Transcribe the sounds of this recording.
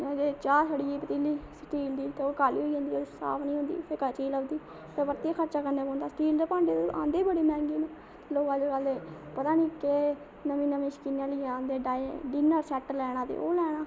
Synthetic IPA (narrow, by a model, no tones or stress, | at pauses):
ned͡ʒeːt͡ʃaːɾsaɽiːiːpət̪ilːiːsʈiːld̪iːt̪eːoːkaːlḭːɦoːiːõːnd̪iːoːsa̰ːpʰnĩːɦʊ̃nd̪ḭːpʰekət͡ʃiːləbd̪iː | pʰəbəɾt̪iaːkʰəɾt͡ʃaːkəɾneːpɔ̃ːnd̪aːsʈiːld͡ʒ̪əpãːɳɖeːt̪eã̰ːnd̪eːbəɽiːmɛ̃ːŋɡiːneː | loːkad͡ʒkəlːeːpət̪aːnĩːkeː | nəmĩːnəmĩːʃkɪnãːliːãːnd̪eːɖaːɖɪnəɾsɛːʈlɛːɽãːt̪ḛːo̰ːlɛːɽ̃aː